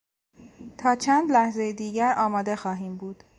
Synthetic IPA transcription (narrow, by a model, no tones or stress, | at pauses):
t̪ʰɒːt͡ʃʰænd̪læhzejed̪iːɟæɾɒːmɒːd̪e̞xɒːɦiːmbuːd̪̥